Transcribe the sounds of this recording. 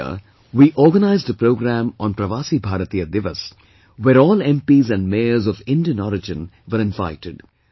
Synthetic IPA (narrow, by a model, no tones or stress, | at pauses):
ə̰ | ʋiːʔɔːɾɡənaɪzɖəpɾoːɡɾæ̃mɔ̃ːnpɾɐʋaːsibʱaːɾət̪ijəd̪ɪʋəs | ʋeːɾɔːlɛ̃mpiːzæ̃nɖmeːəɾzɔʋɪ̃nɖiə̃nɔːɾɪd͡ʒɪ̃nʋəɾɪ̃nva̰ɪʈɪɖ